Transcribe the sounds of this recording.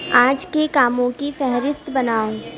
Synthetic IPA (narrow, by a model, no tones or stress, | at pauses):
ãːd͡ʒkekaːmõkifɛɦɾɪst̪bɐnaːõː